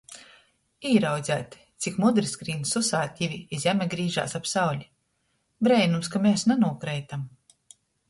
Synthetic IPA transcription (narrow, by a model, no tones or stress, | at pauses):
iːɾawd̪zʲæːt̪ | t̪sʲikmud̪ɾisɡɾiːnsusaːt̪ʲivʲiizjamʲɛɡɾiːʒa̰ːsapsawlʲi | bɾɛjnumskameːsnɛnuɔkɾɛjt̪am